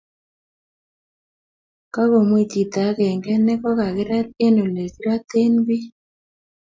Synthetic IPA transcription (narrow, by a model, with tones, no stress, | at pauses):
ka˦ɣo˨mwi˨ti˨t̪a˨˦ɣɛ˨ŋɡɛ˦nɛ˦kɔ˦ka˨ɣe˦ɾa˦e˦no˨le˨si˦ɾa˦t̪e˦nbi˦